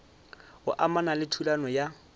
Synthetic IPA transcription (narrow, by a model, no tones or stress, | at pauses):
ʊʔamanalɪtʰulanɔja